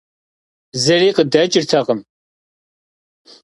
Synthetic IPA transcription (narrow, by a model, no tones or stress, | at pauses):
zɐɾiːqədɐt͡ʃʼɪrt̪ʰɐqəm